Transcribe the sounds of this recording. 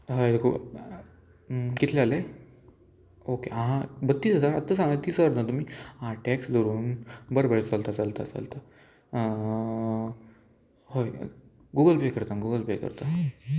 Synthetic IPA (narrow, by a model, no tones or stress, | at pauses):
ɦajd̪ekʰo̰ | kit̪ʰleale | okẽɦãbət̪ːiːt͡səsaɾət̪ːəsãŋɡat̪iːsəɾnat̪um̤iːaʈɛksd̪ʱoɾuːnbəɾbeɭt͡salt̪at͡salt̪a̰t͡sa̰lt̪a | ɦoj | ɡuɡəlplekəɾt̪aɡuɡəlplekə̰ɾt̪a